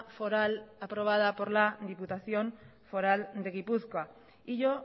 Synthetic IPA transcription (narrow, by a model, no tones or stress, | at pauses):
fo̞ɾalapɾo̞β̞að̞apo̞ɾlaðiput̪aθjo̞n | fo̞ɾald̪e̞ɣipuθkoa | iʎo